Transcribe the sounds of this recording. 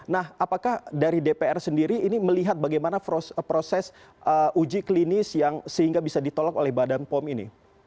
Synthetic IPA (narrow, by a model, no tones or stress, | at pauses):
nahapakahdaɾidepeɛrsəndiɾiːniməliɦat̪̚baɡajmanapospɾosɛs | ʔəʔud͡ʒiklinɪsjaŋsəhiŋɡabisadit̪olɔkolɛhbadanpɔminḭ